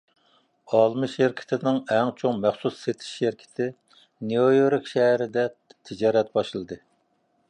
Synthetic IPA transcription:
ɑlˠmɨʃɪɾkʲʰɪ̥t̪ʰɪnɪŋɛŋt͡ʃʰoŋmæχsusːet̪ʰɪ̥ʃːeɾkʲʰɪ̥t̪ʰɪ | neojoɾɪkʃɛɦɾɪd̪ɛt̪ʰɪd͡ʒɑːɾɛt̪̚bɑʃɨlˠɨd̪ɨ

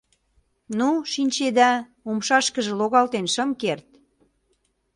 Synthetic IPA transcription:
nuʃinʲt͡ɕed̪æ | umʃɑʃkə̆ʒĕloɣɑlt̪enʃə̆mkert̪̚

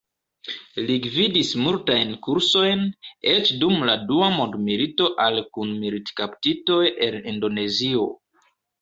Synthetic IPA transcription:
liɡvidismultajnkuɾso̞jnet͡ʃdumladuamo̞ndmilito̞ʔalkunmilitkaptito̞je̞nindo̞ne̞zio̞

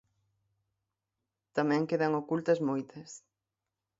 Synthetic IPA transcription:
t̪amɛ̃ŋkeðɐŋokult̪ɐzmojt̪ɐs

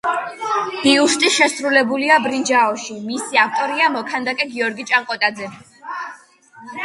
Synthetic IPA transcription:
iust̪ʼiʃɛsɾulɛbuliabɾind͡ʒaɔʃimisiak̚t̪ʼɔɾiamɔkʰand̪akʼɛɡiɔɾɡit͡ʃʼaŋqʼɔt̪ʼad̪zɛ

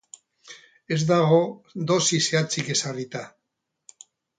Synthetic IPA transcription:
e̞zd̪aɣo̞d̪o̞sise̞at͡sike̞sarit̪a

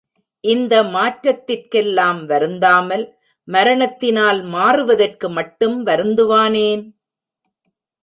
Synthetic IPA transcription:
ʔɪnd̪ɐmaːʈɾɐt̪ːɪrkɛlːaːmʋɐɾɯnd̪aːmɐl | mɐɾɐɳɐt̪ːɪnaːlmaːrɯʋɐðɐrkɯmɐʈːɯmʋɐɾɯnd̪ɯʋaːneːn

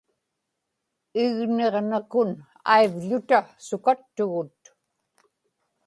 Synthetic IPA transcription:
ɪɣne̞ʁnakʊn | a̰ivʎʊt̪asʊkat̪ːʊɣʊt̪

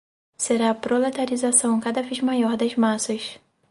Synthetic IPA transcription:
seɾaɐpɾolet̪aɾizasɐ̃w̃kad̪ɐvezmajɔɾd̪ɐzmasɐs

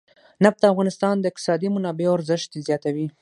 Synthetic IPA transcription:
nap̚d̪əafɣɑnɪst̪ɑnd̪əɪq̚t̪ɪ̥sɑd̪imʊnɑbewaɾzɪʃt̪d̪ezjɑt̪awi

